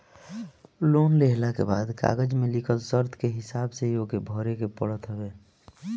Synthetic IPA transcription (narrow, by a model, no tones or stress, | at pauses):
loːnleɦlakḛbaːd̪ka̰ːɡəd͡ʒmẽlɪkʰəlsəɾt̪ʰkeɦɪsaːbseiokebʱɔːɾekepəɽət̪ɦəbeː